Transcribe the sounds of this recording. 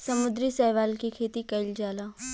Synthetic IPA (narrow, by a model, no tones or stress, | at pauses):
sɐmʊd̪ɾisɛːjʋaːlkikʰeːt̪ikɐɪld͡ʒaːlaː